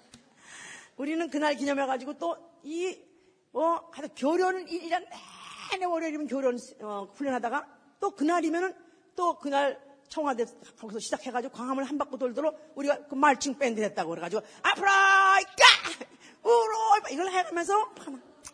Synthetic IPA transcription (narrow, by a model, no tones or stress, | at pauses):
uɾinɯnkɯnaɭk̬iɲʌmɦeɣad͡ʑiɡot͈oi | ʌkad͡ʑokjoɾjʌnɯniɾɾanenewʌɾjʌiɾimʌnkjoɾjʌnɯʌɸuɭːʌnɦadaɣa | t͈okɯnaɾimjʌnɯn | t͈okɯnaɭt͡ɕʰʌŋɦadekʌɡisʰʌɕʰid͡ʑakʰe̞ɡad͡ʑiɡokwaŋɦamɯɭɦambak͈otoɭdʌɾouɾiɡakɯmaɭt͡ɕʰɯŋp͈endɯɾɦe̞t̚t͈aɣoɾeɣad͡ʑiɡoapʰɾaik͈a | uɾoipaiɡʌɭɦeɡamjʌns̬ʰʌpana